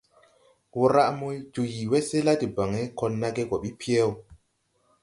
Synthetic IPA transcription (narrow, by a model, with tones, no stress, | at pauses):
wu˦ɾa˦ʔmo˦jd͡ʒu˨ji˨we˦se˦la˦ti˨ba˨ŋe˦kɔ˧nːa˦ɡe˦ɡo˨ɓi˦pʰi˦e˦˨w